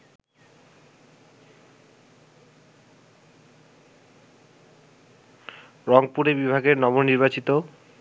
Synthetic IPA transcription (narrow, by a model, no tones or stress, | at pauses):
ɾɔŋpuɾebibʱaɡeɾnɔmonniɾbat͡ɕit̪o